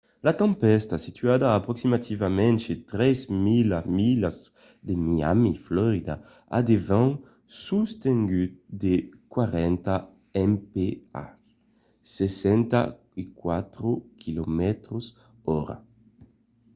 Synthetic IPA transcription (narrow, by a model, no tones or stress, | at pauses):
lat̪ɛ̃mpɛst̪asit̪ʰɥad̪aːpɾoksimat̪ʰivamɛ̃nt͡ʃet̪ɾɛzmilamilaz | d̪emia̰miflɔɾid̪a̰ | a̰d̪evãŋ | sust̪eŋɡyt̪d̪ekwaɾɛnt̪a | ɛmpea̰ | sesɛnt̪a̰ | ikwat̪ɾokʰilɔmɛt̪ɾos | ɔɾa̰